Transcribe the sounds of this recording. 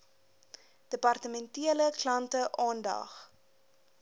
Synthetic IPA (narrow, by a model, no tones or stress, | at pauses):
d̥əpɐrtəmɛntiələklɐntəʔɑːndɐ̰χ